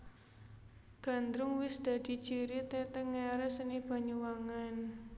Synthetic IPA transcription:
ɡ̥a̤nd̪ɾʊŋwɪsd̪̥ä̤d̪̥i̤̥t͡ʃiɾit̪ɛt̪əŋeaɾəsənib̥a̤ɲuwaŋan

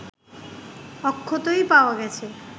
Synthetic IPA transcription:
ɔkʰːot̪ojpaoaɡɛt͡ɕʰe

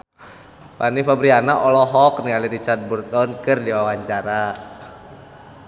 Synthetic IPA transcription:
panifabɾianaʔɔlɔɦɔknialiɾit͡ʃard̪̚burt̪ɔnkɨrdiwawaɲt͡ʃaɾa

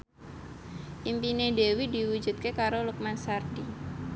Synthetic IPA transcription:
ʔimpinedewidi̤wu̥d͡ʒṳt̪̚kekaɾoluk̚mansardi

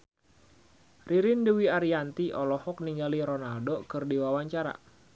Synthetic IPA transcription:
riɾindəwiaɾiant̪iʔɔlɔhɔk̚niŋɡaliɾɔnaldokɨrdiwawaɲt͡ʃaɾa̰

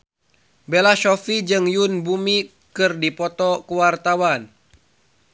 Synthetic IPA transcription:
belaʃɔfid͡ʒɨŋjunbumi | kɨrdipɔt̪ɔkəwart̪awan

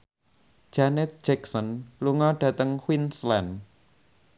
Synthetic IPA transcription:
d̥ʒ̥anɛt̪̚d̥d͡ʒ̥ɛksənluŋɔɖ̥ä̤t̪əŋhwinslɛn

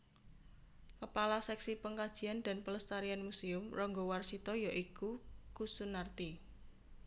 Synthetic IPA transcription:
kəpalasɛksipəŋkad̥ʒ̥i̤and̪̥a̤npələst̪aɾianmusiʊmrɔŋɡɔwarsit̪ɔjaʔikukusunart̪i

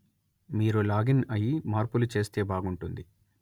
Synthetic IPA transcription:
miːɾulaːɡinɐjimaːɾpulut͡ʃe̞ːst̪e̞ːbaːɡuɳʈund̪i

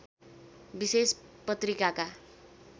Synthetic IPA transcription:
bisespʌt̪rikaka

